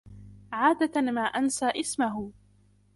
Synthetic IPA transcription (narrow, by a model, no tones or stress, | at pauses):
ʕaːd̪amaːʔansaːʔɪsmaɦ